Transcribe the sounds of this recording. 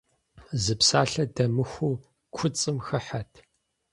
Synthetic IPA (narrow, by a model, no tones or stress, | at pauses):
zɨpsaːɬɐdɐmɨxʷuː | kʷʰʊt͡sʼɨmxɐħatʰ